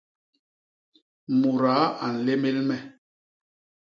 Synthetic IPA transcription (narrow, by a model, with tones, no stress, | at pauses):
mu˨ɾa˨˦a˨n̩˨le˦me˦lmɛ˦